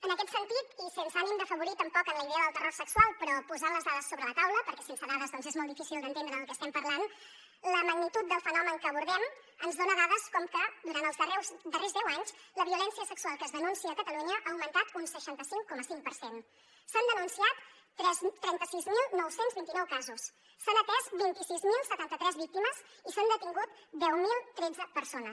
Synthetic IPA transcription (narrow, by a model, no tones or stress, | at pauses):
ənəkɛt̪sənt̪it̪isensəanimd̪əfəβuɾit̪əmpɔkənləiðɛəðəlˠt̪əroɾrsəksualˠpɾɔpuzanləzðaðəsːoβɾələt̪awləpəɾkɛsensəðaðəzðɔnzezmɔlˠd̪ifisilˠd̪ə̃nt̪end̪ɾəəlˠkɛəst̪ɛmpəɾlan | ləməɡnit̪ut̪̚d̪əlˠfənɔməŋkəβuɾðɛm | ənzðonəðaðəskɔmkəd̪uɾant̪əlˠzðərɛwzd̪ərezðɛwaɲzləβiulɛnsiəsəksuwalˠkəzðənunsiəːkət̪əluɲəʔaːwmənt̪at̪unsəʃant̪əsiŋkɔməsiŋpəɾsen | sənd̪ənunsiat̪ː | ɾɛzt̪ːɾɛnt̪əsizmilˠnɔwsenzβint̪inɔwkazusː | anət̪ɛzbint̪isizmilˠsət̪ant̪ət̪ɾɛzβik̚t̪iməz | isand̪ət̪iŋɡut̪d̪ɛwmilˠt̪ɾed͡zəpəɾsonəs